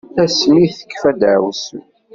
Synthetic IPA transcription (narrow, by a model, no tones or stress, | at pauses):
æsmiθə̥kːfæd̪ʕws